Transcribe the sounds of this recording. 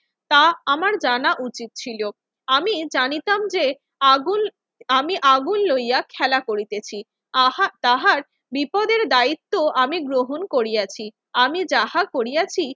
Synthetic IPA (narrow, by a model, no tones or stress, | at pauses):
t̪aamaɾd͡ʑanaʔut͡ɕit̪̚t͡ɕʰilo | amid͡ʑanit̪amd͡ʑe | aɡun | amiʔaɡunlojakʰɛlakoɾit̪et͡ɕʰi | t̪aɦaɾ | bipɔd̪eɾd̪ait̪ːoʔamiɡɾoɦonkoɾijat͡ɕʰi | amid͡ʑahakoɾijat͡ɕʰi